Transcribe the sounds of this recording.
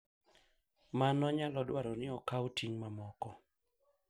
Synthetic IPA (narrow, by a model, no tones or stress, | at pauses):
manɔɲalɔdwaɾɔnɪɔkautʰiŋmamɔkɔ